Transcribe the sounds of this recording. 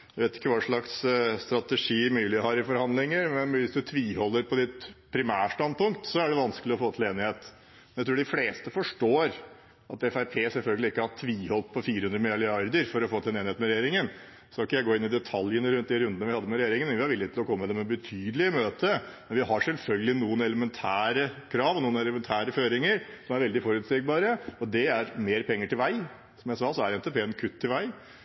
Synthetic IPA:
jæʋeːt̪ɪ̥kːəʋɑːʂɭɑksst̪ɾɑt̪ɛʂiːmyːlɪhɑɾɪfɔɾhɑnd̪lɪŋəɾmɛnʋɪsd̪ʉt̪ʰʋiːhɔlːəɾpʰɔd̪ɪt̪pʰɾɪmæːʂtɑnd̪̚pʊŋkt̪sɔæɖɛʋɑnskəlɪɔfoːt̪ʰɪleːnɪheːt̪ | mɛnæt̪ʰɾuːɖɪfleːst̪əfɔʂʈoːɾ | ɑt̪ɛfæɪpʰeːsɛlfœlɡəlɪɪkːəhɑʈʰʋiːhɔlp̚pʰɔfiːɾəhʉnd̪ɾəmɪlɑlɪɑɾd̪əɾfɔɾɔfoːt̪ʰɪɛneːnɪeːt̪mɛɾɛjeːɾɪŋən | sɔɪkːəjæɪɡoːɪnːɪd̪ɛt̪ʰɑljənəɾʉnt̪̚d̪iɾʉnd̪ənəʋɪhɑd̪ːəmɛɾɛjeːɾɪŋənmɛnʋɪhɑɾʋɪlːɪət̪ɪlɔkɔmːəd̪ɛmɛbət̪ʰyːd̪əlɪəmøːt̪ʰəmɛnʋɪɦɑɾʂɛlfœlɡəlɪnuːənɛləmɛnt̪ʰæːɾəkʰɾɑːʋɔnuːənɛləmɛnt̪ʰæːɾəføːɾɪŋəɾsɔmæɾʋɛld̪ɪfɔɾʉːt̪seɡ̚bɑːɾəɔd̪ɛæɾmeːɾpʰɛŋːəʈɪlʋæɪ | sɔmjæɪsɑːsɔæɾɛnt̪ɛpʰeːənkʰʉt̪ʰːɪlʋæɪ

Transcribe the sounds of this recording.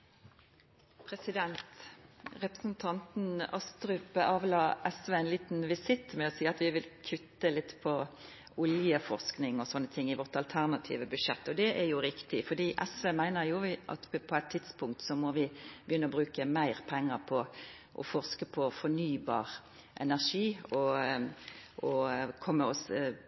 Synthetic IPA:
pʰʁɛsɪd̪ɛnt̪ʁɛpʁəsn̩t̪ʰɑnt̪n̩ɑst̪ʁʉpəɑːʋlɑːʔɛsʋeːæɪnliːt̪nʋɪsɪt̪ːmɛɔsiːɑt̪ʋɪʋɪlkʰʉt̪ːəlɪt̪ːpʰɔ | ʊljəfɔʁsknɪŋɔsɔnːət̪ʰɪŋːɪʋɔʁt̪ɑlt̪ʰæʁnɑt̪ʰḭːʋəbʉd̪ʃɛt̪ːɔd̪ɛʔɛjʊɾɪkt̪ɪfɔd̪iːʔɛsʋeːmæɪnəɾjʊʔɑ̰t̪pʰɔæɪt̪ʰːɪt̪spʊŋk̚t̪sɔmɔʋɪbəjʏnːəɔbɾʉːkəmæɪʁpʰɛŋːəʁpʰɔ | ʔɔ̰fɔʁskəpʰɔfɔnyːbɑ̰ːʁ | ʔɛ̰næʁʂiːɔ | ʔɔkʰɔmːəɔs

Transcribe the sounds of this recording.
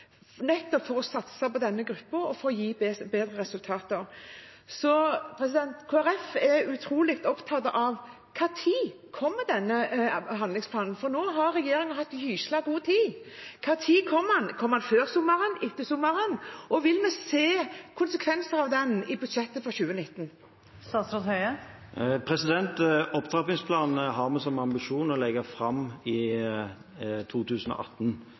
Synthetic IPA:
nɛt̪ːɔpfɔɾɔsɑt̪səpɔd̪ɛnːəɡɾʉpːəɾɔfɔːɾɔjiːbeːd̪ɾəɾɛsʉlt̪ʰɑːt̪əɾsɔpʰɾɛsɪd̪ɛnt̪kʰoːæɾɛfɛʉt̪ʰɾuːlɪkt̪ɔpt̪ʰɑt̪ʔɑʋ | kʰɑːt̪ʰiː | kʰɔmːəd̪ɛnːəɦɑnd̪lɪŋspʰlɑːnn̩fɔɾnoːɦɑɾːɛjeːɾɪŋənɦɑt̪ːhyːʃlɑɡuːət̪ʰiːkʰɑːt̪ʰiːkʰɔmɑnkʰɔmːhɑnføːɾsʊmːəɾənɪt̪ːəsʊmːəɾənɔʋɪlmɛseːkʰʊnsəkʰʋɛnsəɾɑʋd̪ɛnɪbʉd̪ʃɛt̪ːəfɔçʉːənɪt̪ːn̩ | sɑsɾɔt̪hœʏə | pʰɾɛsɪd̪ɛnt̪ɔpt̪ʰʁɑpɪŋspʰlɑːnɦɑʁmɛsɔmɑmbɪʂuːnɔlɛɡəfɾɑmɪ | t̪ʰuːt̪ʰʉːsn̩ɔ̰ʔɑ̰t̪ːn

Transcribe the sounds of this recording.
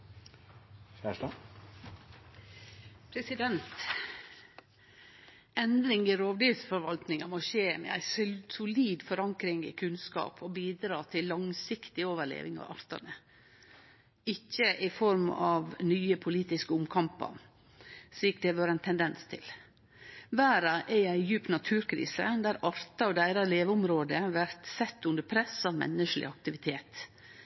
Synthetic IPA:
çæʂɑ | pʰɾɛsɪd̪ɛnt̪ | ɛnd̪ɾɪŋɪɾoːʋd̪iːlsfɔɾʋɑlt̪nɪŋɑmoʃeːmɛ̰æ̰ɪssʊliːd̪fɔɾɑŋkɾɪŋɪ̰kʰʉnskɑ̰ːpʰɔbiːd̪ɾɑːt̪ʰɪlːɑŋsɪkt̪ɪoːʋəɭḛːʋɪ̰ŋɑ̰ʋɑ̰ɾt̪ɑ̰nə | ɪçːəʔɪfɔɾmɑʋnyːəpʰʊliːt̪ɪskəʊmkʰɑmpə̰ɾ | ʂɭiːk̚d̪ɛʋøːɾəæɪnt̪ʰɛnd̪ɛnst̪ʰɪ̰l | ʋæːɾɑʔɛjæɪjʉːpt̪nɑt̪ʰʉːɾkʰɾḭːsə̰d̪æɾɑɾt̪ɑɔd̪æɪɾɑleːʋəʊmɾoːd̪əʋæɾt̪sɛt̪ːʉnd̪əɾpʰɾɛsɑʋmɛ̰nːəʂlɪ̰ɑk̚t̪ɪʋɪt̪ʰeːt̪

